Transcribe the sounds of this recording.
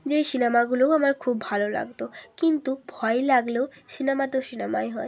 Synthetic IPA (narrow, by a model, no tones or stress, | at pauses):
d͡ʑejʃinemaɡuloamaɾkʰubːʱalola̰ɡt̪okint̪ubʱɔelaɡlewʃinemat̪eʃinemaeɦɔe